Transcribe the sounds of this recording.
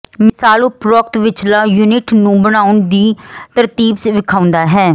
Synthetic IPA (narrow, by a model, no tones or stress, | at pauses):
mɪsaːloːpɾɔːk̚t̪ʋɪt͡ʃlaːjuːnɪʈnũːbəɽ̃aːʊɳd̪iːt̪əɾt̪iːbsʋɪkʰaːʊ̃nd̪aːɦɛː